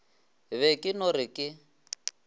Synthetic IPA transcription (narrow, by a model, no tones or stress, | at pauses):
βɛkʼɪnɔɾɪkʼɪ